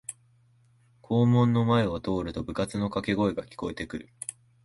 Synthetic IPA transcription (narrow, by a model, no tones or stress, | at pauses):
kʰo̞ːmõ̞nːo̞mae̞βat̪o̞ːɾɯ̟t̪o̞bɯ̟kat͡sɨno̞kake̞ɡo̞eɡakʲi̥ko̞e̞t̪e̞kɯ̟ɾɯ̟